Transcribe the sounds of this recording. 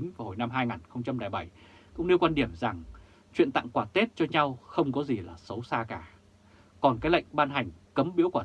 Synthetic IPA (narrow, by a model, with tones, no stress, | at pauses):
ŋ̟vaː˨˩ho˨˩jna˧mɦaː˧jŋaː˨˩nxə˧wŋ͡mt͡ɕa˧mɗaː˨˩ɓa˧˩jkʊ̰˧˥ŋ͡mni˧wkwa˧nɗi˧˩əmza˨˩ŋ | t͡ɕwḭ˧˨ənt̪a̰˧˨ŋkwaː˧˩t̪e˦˥t̚t͡ɕɔ˧ɲa˧wxə˧wŋ͡mkɔ˨˦zi˨˩laː˨˩sə˨˦wsaː˧kaː˧˩ | kɔ˨˩nkaː˨˦jla̰˧˨jŋ̟ɓaː˧nɦa˨˩jŋ̟kə˨˦mɓḭ˧˥əkwaː˧˩